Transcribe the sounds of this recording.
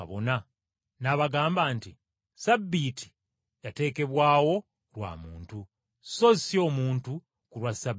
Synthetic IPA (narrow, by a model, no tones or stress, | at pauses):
a̰βo̞̰na | naβaɡaːmbaːnti | sabːiti̥ | jate̞ːke̞βwaːwo̞ | lwa̰ːmuːntu | sozisjo̞ːmuːntu | kuɾwasab